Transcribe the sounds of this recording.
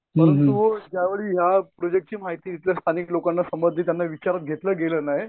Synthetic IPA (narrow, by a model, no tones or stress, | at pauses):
məɾəuʋəd͡ʑjaʋeɭiːɦjapɾod͡ʑek̚ʈ̚t͡ɕiːmaɦit̪iːit̪ljast̪ʰaniklokanːasəmbəd̪ʱit̪janːaʋit͡ɕaɾat̪̚ɡʱet̪ləːɡelənaɦe